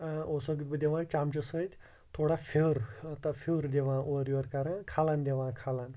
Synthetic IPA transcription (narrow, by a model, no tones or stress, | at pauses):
osɐɡ̪bd̪eʋãːt͡ʃamt͡ʃɐsəd͡ʒʲ | t̪ʰoɽafʰewɾt̪afʰiwɾd̪eʋãːʔoɾjoɾkaɾãkʰaːlaːnd̪eʋãːkʰalaːn